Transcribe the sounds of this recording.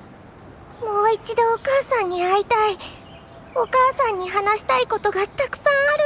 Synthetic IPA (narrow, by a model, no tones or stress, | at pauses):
mo̞ːit͡ɕid̪o̞ːkaːsãɲ̟ːiait̪ai | o̞kaːsãɲ̟ːiɦanaɕi̥t̪aiko̞t̪o̞ɡat̪akɯ̟̥sãɰ̃aɾɯ